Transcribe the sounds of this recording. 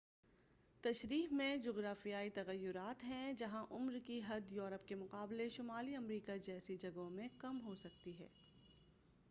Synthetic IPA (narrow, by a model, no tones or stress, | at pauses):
t̪ɐʃɾiːɦmẽd͡ʒoːɣɾaːfijaːit̪ɐɣəjːʊɾaːt̪ɦɛ̃d͡ʒɐɦãʔʊmɾkiɦɐd̪joːɾəp̚kemʊqaːbleʃʊmaːliɐmɾiːkad͡ʒɛːsed͡ʒɐɡõmẽkɐmɦosɐk̚t̪iɦɛ̰ː